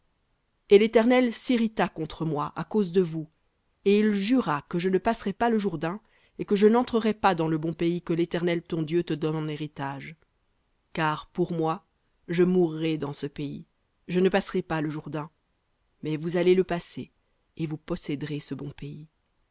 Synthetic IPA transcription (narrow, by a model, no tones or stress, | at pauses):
elet̪ɛʁnɛlsiʁit̪akɔ̃t̪χəmwaʔakozd̪əvu | eilʒyʁakəʒənəpasʁɛpaləʒuʁd̪ɛ̃ | ekəʒənɑ̃t̪χəʁɛpad̪ɑ̃ləbɔ̃peikəlet̪ɛʁnɛlt̪ɔ̃d̪jøt̪əd̪ɔnɑ̃neʁit̪aʒ | kaːʁpuʁmwa | ʒəmuʁːɛd̪ɑ̃səpeḭ | ʒənəpasʁɛpaləʒuʁd̪ɛ̃ | mɛvuzaleləpase | evupɔsɛd̪ʁesəbɔ̃pei